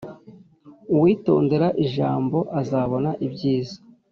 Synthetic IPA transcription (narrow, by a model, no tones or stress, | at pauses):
uwiːto̞̰ːnde̞ɾaʔiʒaːmbo̞ʔazaːβo̞naʔibɟiːzḁ